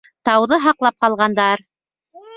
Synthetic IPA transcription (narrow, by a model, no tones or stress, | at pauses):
t̪ɑwðɤɦɑqlˠɑp̚qɑlˠʁɑnd̪ɑɾ